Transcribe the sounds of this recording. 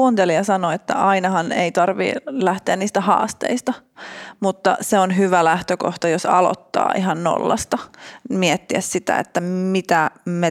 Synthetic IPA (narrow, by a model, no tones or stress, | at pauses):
uːnt̪eliɑsɑnoet̪ːæ̰ʔɑinɑhɑneit̪ɑrʋḭlæht̪eænniːst̪æhɑ̰ːst̪ḛist̪ɑmut̪ːɑ̰seonɦyʋælæht̪øko̰ht̪ɑjosɑ̰lo̰t̪ːɑ̰ːʔiɦɑnno̰lːɑ̰st̪ɑmiɛt̪ːiæssit̪æ̰ḛt̪ːæmit̪æme